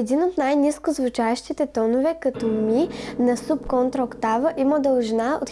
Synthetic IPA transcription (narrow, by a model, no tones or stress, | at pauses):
ɛd̪inot̪najniskʊzvut͡ʃaɛʃt̪it̪ɛt̪ɔnʊvɛkɐt̪ɔminɐsupkɔnt̪ɾokt̪avəʔiməd̪ɐlˠʒnao̰t̪